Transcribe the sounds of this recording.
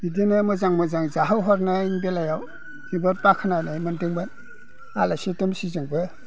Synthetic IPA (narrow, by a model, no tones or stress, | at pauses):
idinɯmɯzaŋmɔzaŋzaɦawɦɔɾnainbelajaw | ibɯɾpakʰanajnajmɯndɯŋbɯt | alasitumsizɯŋbɯ